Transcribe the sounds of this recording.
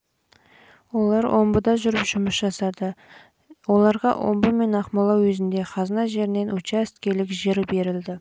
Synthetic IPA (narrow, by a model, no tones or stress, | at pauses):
wo̞lˠɑɾwʔo̞mbəd̪ɑʒʏɾɪpʒ̥ʊməsʒ̥ɑsɑd̪ə | wo̞lˠɑɾʁɑ̰ʔo̞̰mbəme̞nɑqmɑlˠɑwwɵzɪnd̪e̞qʰɑznɑʒe̞ɾɪne̞nʔut͡ʃæst̪kʲe̞lɪkʒeɾɪbe̞ɾɪld̪ɪ